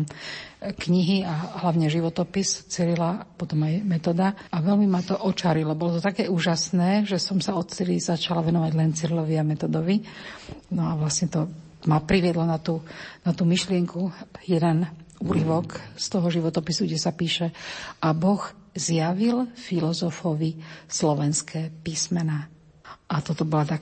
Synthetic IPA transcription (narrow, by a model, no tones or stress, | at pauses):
kɲiɦiaɦlaʋɲɛʒiʋɔt̪ɔpist͡sɛlilapɔt̪ɔmajmɛt̪ɔd̪aaʋɛlmimat̪ɔʔɔt͡ʃaɾilɔbɔlɔt̪ɔt̪akɛːuːʒasnɛːʒɛsɔmsaɔt̪t͡silizat͡ʃalaʋɛnɔʋaɟlɛnt͡siɾlɔʋiamɛt̪ɔd̪ɔʋi | nɔaʋlasɲɛt̪ɔ | mapɾiʋɪɛd̪lɔnat̪uːnat̪uːmiʃlɪɛŋkujɛd̪ɛnuːɾiʋɔkst̪ɔɦɔʒiʋɔt̪ɔpisuɡɟɛsapiːʃɛʔabɔɣzjaʋilfilɔzɔfɔʋislɔʋɛnskʰɛːpiːsmɛnaː | ʔat̪ɔt̪ɔbɔlat̪a